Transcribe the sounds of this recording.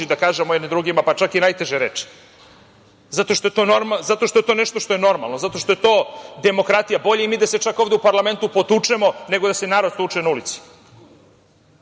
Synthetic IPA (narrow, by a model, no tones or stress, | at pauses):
id̪akaːʒemojed̪nid̪ɾuɡimapat͡ʃakinajt̪e̞ʒeɾeːt͡ʃi̥ | zat̪o̞ʃt̪o̞e̞t̪o̞noɾmazat̪o̞ʃt̪o̞et̪o̞ːneʃt̪o̞ʃt̪o̞jeno̞ɾma̰lˠno̞zat̪o̞ʃt̪o̞jet̪o̞ːd̪e̞mo̞kɾat̪ijabo̞ʎeimiːd̪ase̞t͡ʃakovd̪eupaɾlˠame̞nt̪upo̞t̪ut͡ʂemo̞ne̞ɡod̪ase̞naːɾod̪sut͡ʃenaulit̪si̥